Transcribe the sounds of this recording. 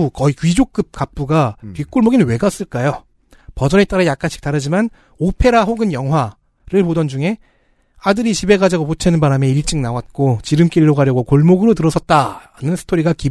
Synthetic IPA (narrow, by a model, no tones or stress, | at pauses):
ukʌik͈ɥid͡ʑok͈ɯp̚k͈ap̚p͈uɡapik͈uɭmoɡinwe̞ɡas͈ɯɭk͈ajo | pʌd͡ʑʌnet͈aɾajak͈anɕʰi̥k̚t͈aɾɯd͡ʑiman | opʰe̞ɾaɸoɡɯnjʌŋɦwa | ɾɯɭpodʌnd͡ʑuŋe̞ | adɯɾit͡ɕʰibe̞ɡad͡ʑaɡopot͡ɕʰenɯnbaɾame̞iɭt͡ɕ͈iŋnawat̚k͈ot͡ɕiɾɯmk͈iɾiɾoɡaɾjʌɡokoɭmoɡɯɾotɯɾʌsʰʌt̚t͈aɾanɯnsʰɯ̥tʰoɾiɡaki